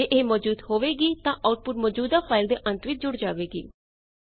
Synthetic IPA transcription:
eʔeːmɔːd͡ʒuːd̪hoːʋeːɡiːt̪ãːʔaːʊʈ̚pʊʈmɔːd͡ʒuːd̪aːpʰaːɪld̪eːʔə̃nt̪ʋɪt͡ʃʰd͡ʒʊɽd͡ʒaːʋeːɡḭː

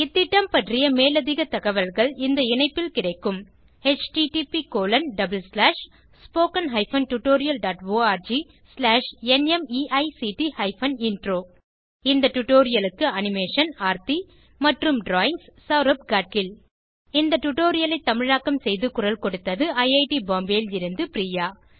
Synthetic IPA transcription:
ɪt̪ːɪʈːɐmpɐʈrɪjɐmeːlɐðɪɣɐt̪ɐɣɐʋɐlɣɐɭɪnd̪ɐɪnɐɪpːɪlkɪɽɐɪkːɯm | et͡ʃʈiʈipikoːlɐnɖɐbɐlslaːʂ | spoːkɐnɦɐɪfɐnʈʊʈːoːɾɪjɐlɖaːʈʋoːaːɾd͡ʒi | slaːʂɛnɛmiːʔɐɪsiːʈihɐɪfɐnɪnɖroː | ɪnd̪ɐʈʊʈːoːɾɪjɐlɯkːɯɐnɪmeːʂɐnaːɾt̪i | mɐʈrɯmɖɾaːjɪŋssɐːɾɐp̚ɡaːʈ̚kɪl | ɪnd̪ɐʈʊʈːoːɾɪjɐlɐɪt̪ːɐmɪɻaːkːɐmsɛjðɯkʊɾɐlkɔɽɯt̪ːɐðɯɐɪɐɪʈibaːmbeːlɪɾɯnd̪ɯpɪɾiːjaː

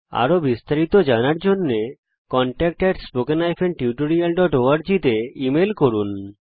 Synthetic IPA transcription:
a̰ɾobist̪aɾit̪od͡ʑanaɾd͡ʑonːe | kɔɳʈɛk̚ʈeɾspokenajfʰenʈiuʈoɾialɖɔʈoaɾd͡ʑit̪eimelkoɾun

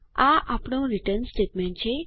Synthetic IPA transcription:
aʔapɽ̃õɾiʈəɾnsʈeʈmẽɳʈ̚t͡ʃʰe

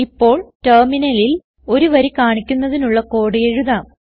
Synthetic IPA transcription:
ipːo̞ːɭterminɐlil | o̞ɾuʋɐɾikaːɳikʲːunːɐðinuɭːɐko̞ːɽɨjeɻuðaːm

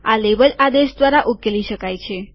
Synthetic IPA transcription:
alebəlad̪eʃd̪ʋaɾaʔukeliʃəkajt͡ʃʰe

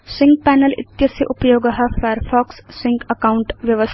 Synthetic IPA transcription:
sɪ̃ŋɡ̚pɛːnəlɪ̰t̪jɐsjɐʔʊpjoːɡɐɦafajəɾfʰaːksːɪ̃ŋɡɐkaːʊɳʈʋjɐʋəs

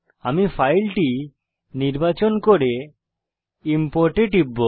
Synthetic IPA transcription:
amifʰajlʈi | niɾbat͡ɕonkoɾe | impoɾʈeʈibːo

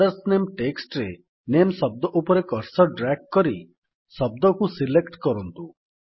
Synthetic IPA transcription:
ɐɾsnemʈeksʈɾe | nemsɔb̚d̪ɔʔupɔɾekɔɾsɔɖɾakkːɔɾi | sɔb̚d̪ɔkusilekʈkɔɾɔnt̪u

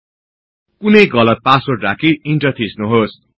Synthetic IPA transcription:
kunʌjɡʌlʌt̪̚pasorakiiɳʈʌt̪ʰisnuɦos

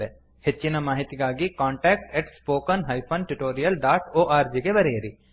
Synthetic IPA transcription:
e | hɪtːt͡ʃinamaːɦɪt̪iɡaːɡikãːɳʈɛːk̚ʈeʈspoːkənɦaːjpʰənʈuʈoːɾijəlɖaːʈoːʔaːɾd͡ʒiɡebɐɾeːɾiː

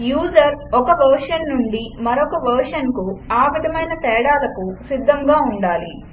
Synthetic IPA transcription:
juːd͡ʒɐɾɔkɐʋɐɾʂɐnːuɳɖimɐɾɔkɐʋɐɾʂɐnkuaːʋid̪ʱɐmɐjnɐt̪ɛːɽaːlɐkusid̪ʱːɐŋɡaːuɳɖaːli

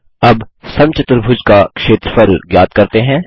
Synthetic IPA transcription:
ɐbsɐ̃mt͡ʃɪt̪ɾbʱʊd͡ʒkakʃeːt̪ɾəfɐɾljaːd̪kɐɾt̪eɦɛ̃ː

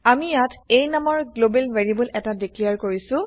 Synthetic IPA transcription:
amijatejnamɔɹɡlobelveɹibulʔɛtadiklijaɹkoɹisʊ̃

